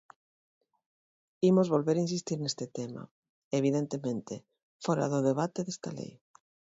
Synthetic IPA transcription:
imozβolβeɾains̬ist̪iɾnest̪et̪ema̰ | eβ̞iðent̪emẽnt̪e | foɾa̰ðoðeβ̞at̪eðest̪alḛj

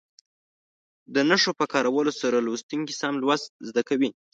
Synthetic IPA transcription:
d̪ənaʂopəkɑɾawəlosaɾalost̪uŋkisamlwast̪̚zd̪akawi

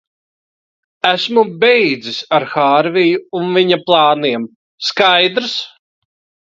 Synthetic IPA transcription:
æsmubejd̪zisaɾxaːɾvijuːnviɲaplˠɑːniɛm | skajd̪ɾs

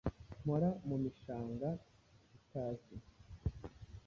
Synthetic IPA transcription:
moɾamumiʃaːŋɡa | itaːzi

